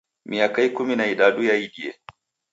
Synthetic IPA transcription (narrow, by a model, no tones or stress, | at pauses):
mʔiakajkʊminaidaːdujajidiḛ